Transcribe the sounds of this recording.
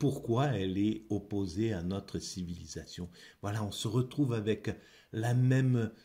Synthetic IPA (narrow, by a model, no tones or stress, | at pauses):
puʁkwaɛlɛɔpozeanɔt̪χəsivilizasjɔ̃vwalaɔ̃səʁət̪χuvavɛk | lamɛm